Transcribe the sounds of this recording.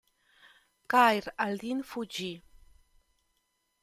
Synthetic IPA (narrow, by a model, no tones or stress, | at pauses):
kajɾald̪infud͡ʒi